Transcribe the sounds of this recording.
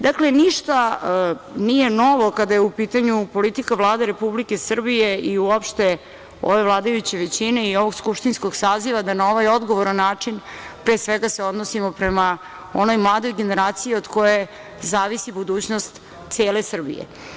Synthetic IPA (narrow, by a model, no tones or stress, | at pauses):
d̪akle̞niʃt̪a | nije̞no̞ʋo̞kad̪ajeupiːt̪aɲupo̞lit̪ikaʋlˠaːd̪eɾe̞publike̞sr̩bije̞iuopʃt̪e | o̰ʋe̞vlˠaːd̪ajut͡ɕeʋet͡ɕine̞io̞ʋoɡskupʃt̪inskoɡsaːziʋad̪anao̞ʋajo̞d̪ɡo̞ʋoɾanːaːt͡ʂinpɾeːsʋeɡaseo̞d̪nosimo̞pɾema | o̞no̞jmlˠaːd̪o̞jɡe̞ne̞ɾaːt̪sijiod̪ko̞je | zaːʋisibud̪uːt͡ɕnost̪ | t̪seːlesr̩bḭjḛ